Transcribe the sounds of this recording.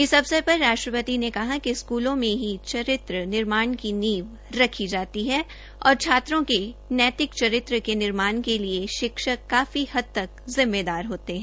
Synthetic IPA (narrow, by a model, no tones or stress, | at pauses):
ɪsɐbsepɐɾːaːʃʈɾəpət̪inekɐɦakiskuːlõmẽɦit͡ʃɐɾɪt̪ɾənɪɾmaːɳkiniːʋ | ɾɐkʰid͡ʒaːt̪iɦɛ | ɔːɾt͡ʃʰaːt̪ɾõkenɛːt̪ɪkt͡ʃɐɾɪt̪ɾəkenɪɾmaːnkelieʃɪkʃəːaːfihɐd̪̚t̪ɐkzɪmːed̪aːɾɦoːt̪eɦɛ̃ː